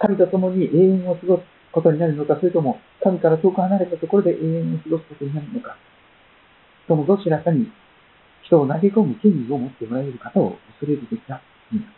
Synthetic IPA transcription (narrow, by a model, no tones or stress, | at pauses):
kamʲit̪o̞t̪o̞mo̞ɲ̟iʔe̞ːẽ̞ɰ̃o̞sɨɡo̞sɨ̥ | ko̞t̪o̞ɲ̟inaɾɯ̟no̞kasoɾet̪o̞mo̞ | k̪amʲikaɾat̪o̞ːkɯ̟hanaɾe̞t̪at̪o̞ko̞ɾo̞d̪e̞ʔe̞ːẽɰ̃o̞sɨɡo̞sɨ̥ko̞t̪o̞ɲ̟inaɾɯno̞kḁ | t̪o̞mo̞d̪o̞ːɕiɾasaɲ̟i | çi̥t̪o̞ːnaɡe̞ko̞mɯ̟k̪ẽ̞nɾʲio̞mo̞t̪ːe̞mo̞ɾaeɾɯ̟kat̪ao̰ɯsɨɾe̞ɾɯ̟d̪ekʲi̥t̪a | ɯ̟̃